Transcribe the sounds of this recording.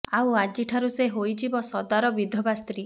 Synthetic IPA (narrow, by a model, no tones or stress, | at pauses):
awad͡ʒiʈʰaɾuseɦojd͡ʒibɔsɔd̪aɾɔbid̪ʱɔbast̪ɾi